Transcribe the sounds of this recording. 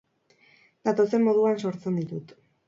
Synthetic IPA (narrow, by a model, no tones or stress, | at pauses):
d̪at̪o̞se̞mːo̞ð̞uanso̞ɾt͡se̞nd̪it̪ut̪